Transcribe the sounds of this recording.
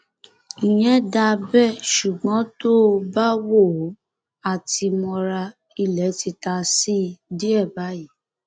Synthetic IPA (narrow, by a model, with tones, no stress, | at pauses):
i˨j̃ɛ̃˨˦da˧bɛ˦˨ʃu˨ɡ͡bɔ̃˨˦to˦˧ba˦wo˦˨˦ | a˦˨ti˧mɔ̃˧ɾa˧ | i˧˨lɛ˨˦ti˧ta˧si˦di˦ɛ˦˨ba˨˦ji˨˦